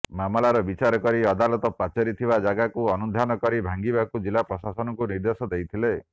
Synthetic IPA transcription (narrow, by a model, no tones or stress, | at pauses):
mamɔlaɾɔbit͡ʃaɾɔkɔɾiɔd̪alɔt̪ɔpat͡ʃɔɾit̪ʰibad͡ʒaɡakuɔnud̪ʱanɔkɔɾibʱaŋɡibakud͡ʒilapɾɔsasɔnɔkuniɾd̪esɔd̪ejt̪ʰile